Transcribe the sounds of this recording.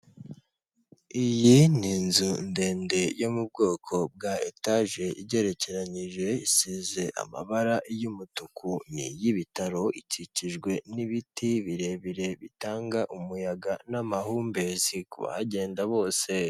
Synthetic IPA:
ijininzunde̞ːnde̞jo̞mub̚ɡo̞ːkʰo̞b̚ɡaetaʒe̞ʔiɟe̞ɾe̞ce̞ɾaɲiʒe̞isize̞ʔa̰ma̰βaɾaʔjumutukʰunḭjiβitaɾo̞iciciʒɡwe̞niβitiβiɾe̞βiɾe̞βitaːŋɡaʔumujaɡanamaɦuːmbe̞zikṵβa̰haɟe̞ːndaβo̞ːse̞

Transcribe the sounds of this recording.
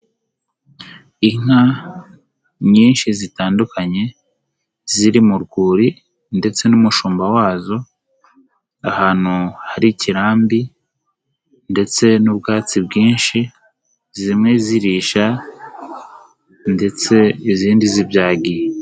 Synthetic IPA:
iŋ̥ha | ɲiːnʃizitaːndukaɲe̞ | ziɾimuɾɡuːɾi | nde̞t͡se̞numuʃuːmbawaːzo̞ | ahaːn̥huhaɾiciɾaːmbi | nde̞t͡se̞nubɡaːt͡sibɡiːnʃi | zimŋe̞ziɾiʃa | nde̞t͡se̞iziːndizibjaːɡije

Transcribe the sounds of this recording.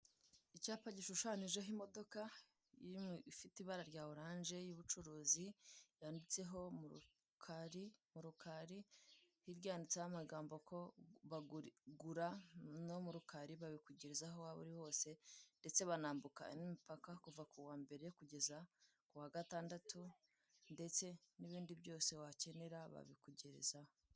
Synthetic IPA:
icaːpaɟiʃuʃaːniʒeɦimo̞do̞ka | iifitiβaɾaɾɟaːoɾaːnʒe̞juβut͡ʃuɾuːzijaːndit͡se̞ɦo̞muu | kʰaɾimuɾukaɾi | hiɾɟaːndit͡sejamaɡaːmbo̞kʰo̞βaɡɡuɾanomuɾukaɾiβaβikuɟeɾezaɦo̞waβṵɾiho̞ːse̞nde̞t͡se̞βanaːmbuka̰nimipakakuvakuwaːmbe̞ɾe̞kuɟe̞za | kuwaɡataːndatu | nde̞t͡se̞niβiːndiβjo̞ːse̞wace̞ne̞ɾaβa̰βikuɟeɾḛzaho

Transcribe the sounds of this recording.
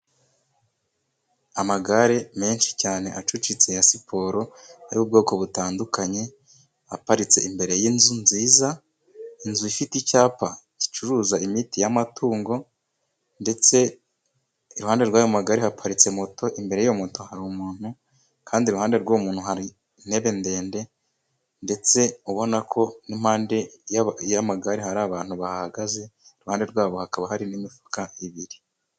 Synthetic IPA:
amaɡaɾe̞me̞ːnʃi̥caːne̞ʔat͡ʃut͡ʃit͡se̞jasipʰo̞ɾo̞aɾiβub̚ɡo̞ːko̞βutaːndukaɲe̞ | ha̰paɾit͡se̞imbe̞ɾe̞jinzunziːza | inzuifiticaːpaci̥t͡ʃuɾuːzaimitijamatʰuːŋɡo̞ | nde̞t͡se̞ | iɾuhaːnde̞ɾɡwaːjo̞maɡaɾihapʰaɾit͡se̞moto̞ʔimbe̞ɾe̞jijo̞moto̞haɾumuːn̥hu | kʰaːndiɾuhaːnde̞ɾɡomuːn̥huɦaɾi | n̥e̞βe̞nde̞ːnde̞ | nde̞t͡se̞uβo̞nakʰo̞nimhaːnde̞jjamaɡaɾihaɾaːβaːn̥huβahhaɡaze̞iɾuhaːnde̞ɾɡwaːβo̞hakaβahaɾinimifu̥kaiβiɾi

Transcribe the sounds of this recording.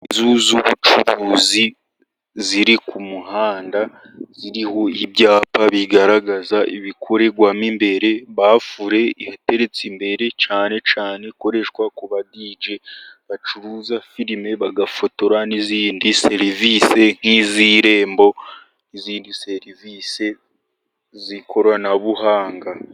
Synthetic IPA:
izuzuβut͡ʃuɾuːzi | ziɾikʰumuhaːnda | z̥iɾiho̞ibɟaːpaβiɡaɾaɡazaʔiβikʰo̞ɾe̞ɡwamimbe̞ɾe̞βafuɾe̞ihate̞ɾe̞t͡simbe̞ɾe̞t͡ʃaːne̞t͡ʃaːne̞ko̞ɾe̞ʃkwakuβadid͡ʒe̞βat͡ʃuɾuzafiɾime̞βaɡafo̞to̞ɾaniziːndise̞ɾivise̞ŋ̥iziɾe̞ːmbo̞ | niziːndise̞ɾivise̞ | zikʰo̞ɾwanaβuɦaːŋɡa

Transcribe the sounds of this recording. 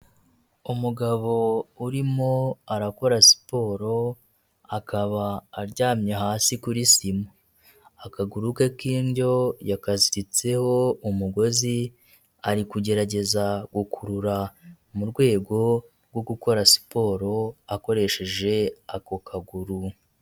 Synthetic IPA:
umuɡaβo̞uɾimo̞aɾako̞ɾasi̥po̞ːɾo̞ | akaβaːɾɟaːmɲeɦaːsikuɾisimo | akaɡuɾukekiːnɟo̞jakaziɾit͡se̞ho̞umuɡo̞zi | aɾikuɟe̞ɾaɟe̞zaɡ̥ukʰuɾuɾa | muɾɡwe̞ːɡo̞ɾɡwo̞ɡuko̞ɾasi̥po̞ːɾo̞ako̞ɾe̞ʃe̞ʒe̞ako̞kʰaɡuɾu

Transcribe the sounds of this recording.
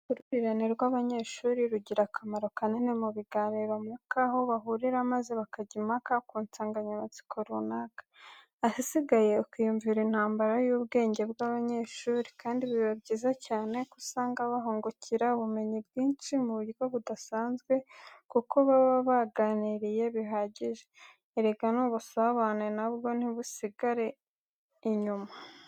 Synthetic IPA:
uɾuɾiɾaneɾɡwaβaɲe̞ːʃuːɾiɾuɟiɾakʰamaɾo̞kaninemuβiɡaːniɾomukaho̞βaɦuɾiɾamazeβakaɟimakakuːnt͡saːŋɡaɲamat͡si̥kʰoɾunakḁː | hisiɡaje̞ukujuɱviɾin̥haːmbaɾajuːβɡe̞ːɲɟe̞bɡaβaɲe̞ːʃuːɾikʰaːndiβiβabɟiːzacaːne̞kusaːŋɡaβaɦoːŋɡocʰiɾaβume̞ɲibɡiːnʃimuβuɾiɡoβudasaːnzɡwe̞kuko̞βaβaβaɡaniɾije̞βiɦaːɟiʒe | iɾeɡanuβusaβanenabɡo̞n̥iβusiɡaɾe̞ | iɲuma

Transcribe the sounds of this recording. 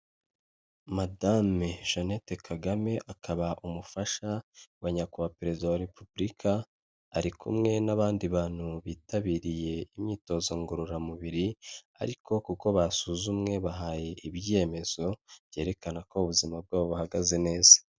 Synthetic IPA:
madameʒonete̞kʰaɡame̞ʔakʰaβaʔumufaʃawaɲakuβapeɾe̞zidawaɾe̞pubɾikʰaː | ɾikʰṵmŋe̞naβaːndiβaːn̥huβiːtaβiːɾije̞imɲiːto̞ːzo̞ŋɡoɾuɾamuβiɾia̰ɾikʰo̞kuko̞βasuzumŋe̞βaɦaje̞ʔibje̞ːme̞z̥o̞b̥je̞ːɾe̞kanako̞uβuzimab̚ɡaːβoβahaɡaze̞ne̞ːz̥ḁ

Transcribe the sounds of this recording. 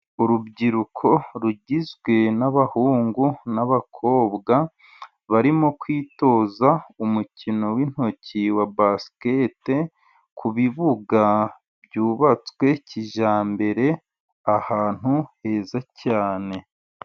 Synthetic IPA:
uɾubɟiɾukʰo̞ɾuɟizɡwe̞naβahuːŋɡunaβakʰo̞ːβɡa | βaɾimo̞kwiːto̞ːzaumucino̞win̥ho̞ciwabaskete̞ | kʰuβiβuɡa | bɟuːβat͡swe̞ciʒaːmbe̞ɾe̞ | ahaːn̥huhe̞ːzacaːne̞

